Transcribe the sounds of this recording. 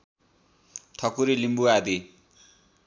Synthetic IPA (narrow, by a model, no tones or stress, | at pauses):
ʈʰʌkuɾilimbuad̪i